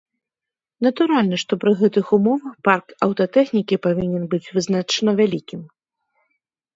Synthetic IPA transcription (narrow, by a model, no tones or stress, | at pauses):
n̪ɐt̪uɾalʲnɐʂt̪ɔpɾɨɣɛt̪ɨxumɔvɐxparkɐwt̪ɐt̪ɛxnʲikʲipavʲinʲɛnbɨt͡sʲvɨznat͡ʂɐnɐvʲalʲikʲim